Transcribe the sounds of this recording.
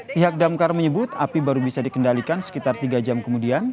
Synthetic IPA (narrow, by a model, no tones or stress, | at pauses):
piɦak̚damkarməɲəbʊt̪apibaɾubisadikəndalikansə̥kit̪art̪iɡad͡ʒamkəmudian